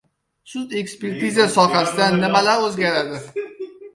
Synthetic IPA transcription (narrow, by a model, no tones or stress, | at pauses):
sʊt̪e̞kspe̞ɾt̪ʰizasɒχasɪd̪anːɪmalaɾɵzɡʲaɾad̪ɪ